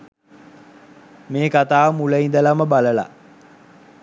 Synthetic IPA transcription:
meːkat̪aːmuləind̪əlaməbaləla̰

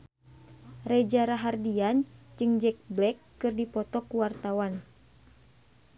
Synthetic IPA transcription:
rɛd͡ʒaɾaɦardiand͡ʒɨŋd͡ʒɛk̚blɛkːɨrdipɔt̪ɔkuwart̪awan

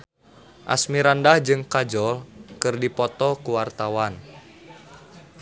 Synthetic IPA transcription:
ʔa̰smiɾandahd͡ʒɨŋkad͡ʒɔlkɨrdipɔt̪ɔkuwart̪awan

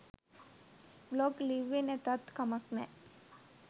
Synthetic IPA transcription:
bloːkliʋinet̪ət̪kəməkne

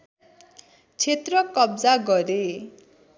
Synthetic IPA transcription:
t͡ʃʰet̪ɾɔkɔbd͡zaɡɔɾe

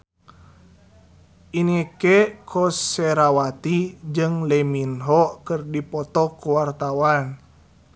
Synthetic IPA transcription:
ʔinikeʔkʰɔsɛɾawat̪id͡ʒɨŋlɛminɦɔkɨrdipɔt̪ɔkuwart̪awan

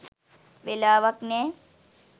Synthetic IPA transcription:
ʋelaːʋɐknɛ

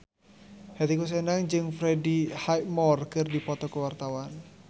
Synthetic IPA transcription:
hɛt̪ikus̬ɛnaŋd͡ʒɨŋfɾɛdihaj̚mɔrkɨrdipɔt̪ɔkuwart̪awan

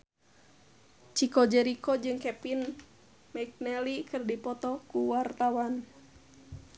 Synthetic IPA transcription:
t͡ʃikɔd͡ʒɛɾikɔd͡ʒɨŋkɛpin | mɛk̚nɛlikɨrdipɔt̪ɔkuwart̪awan

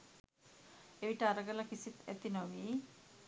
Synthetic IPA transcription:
eʋiʈaɾɐɡɐlakisit̪et̪inɔwi

